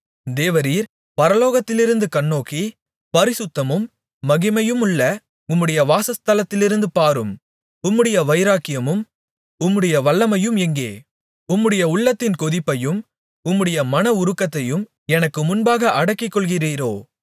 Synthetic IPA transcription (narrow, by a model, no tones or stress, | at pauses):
d̪eːʋɐɾiːɾ | pɐɾɐloːɣɐt̪ːɪlɪɾɯnd̪ɯkɐɳːoːkːi | pɐɾɪsɯt̪ːɐmɯmː | ɐɣɪmɐjɯmʊɭːɐ | ʊmːɯɽɐjɐʋaːsɐst̪ɐlɐt̪ːɪlɪɾɯnd̪ɯpaːɾɯm | ʊmːɯɽɐjɐʋɐɪɾaːkːɪjɐmɯm | ʊmːɯɽɐjɐʋɐɭːɐmɐjɯmɛŋɡeː | ʊmːɯɽɐjɐʊɭːɐt̪ːɪnkɔðɪpːɐjɯm | ʊmːɯɽɐjɐmɐnɐʊɾɯkːɐt̪ːɐjɯm | ɛnɐkːɯmʊnbaːɣɐʔɐɽɐkːɪkːɔɭɣɪɾiːɾoː